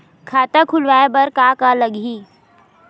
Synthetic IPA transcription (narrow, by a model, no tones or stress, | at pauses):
kʰaːt̪ãkʰʊlʋaːebɐɾkaːkaləɠɦiː